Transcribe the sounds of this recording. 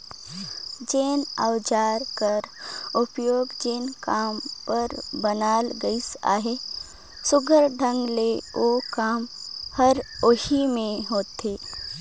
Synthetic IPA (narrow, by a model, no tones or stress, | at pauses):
d͡ʒeːna̰wd͡ʒaːɾkəɾʊpjoːɡd͡ʒeːnkaːmpəɾbənaːlɡəisa̰ːɦe | sʊɡʱəɾɖʱə̃ŋɡleoːkaːmhɐɾoːʃimẽɦoːt̪ɦeː